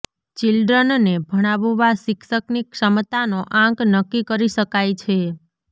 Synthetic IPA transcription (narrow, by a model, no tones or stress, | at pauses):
t͡ʃilɖɾənnebʱəɽ̃aʋoʋasɪkʃəknikʃəmt̪anoʔãknəkːikəɾiʃəkajt͡ʃʰe